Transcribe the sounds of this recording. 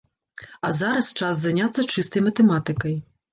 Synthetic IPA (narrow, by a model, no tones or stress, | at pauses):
ɐzaɾɐst͡ʂasːanʲat̪sːɐt͡ʂɨst̪ɐjmɐt̪ɛmat̪ɨkɐj